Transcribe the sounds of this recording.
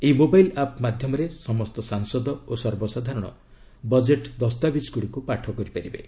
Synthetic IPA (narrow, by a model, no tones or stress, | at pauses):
eimobajlapmad̪ʱjɔmɔɾesɔmɔst̪ɔsaŋsɔd̪ɔosɔɾbɔsad̪ʱaɾɔɽ̃ɔ̰ | bɔd͡ʒeʈd̪ɔst̪abisɡuɽikupaʈʰɔkɔɾipaɾibḛ